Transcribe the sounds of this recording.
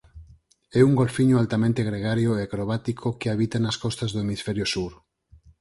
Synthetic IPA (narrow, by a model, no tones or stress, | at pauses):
ɛuŋɡolfiɲoalt̪amẽnt̪eɣɾeɣ̞aɾjoekɾoβ̞at̪ikʰokeaβ̞it̪anaskɔst̪azðoemisfɛɾjosuɾ